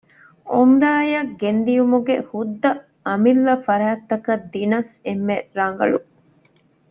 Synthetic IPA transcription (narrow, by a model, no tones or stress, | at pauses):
omɾaːjɐɡend̪ijumuɡehud̪ːɐ | ɐmilːɐfɐɾæːt̪ːɐkɐd̪inɐsemːeɾɐŋ̆ɡɐ̰ɭṵ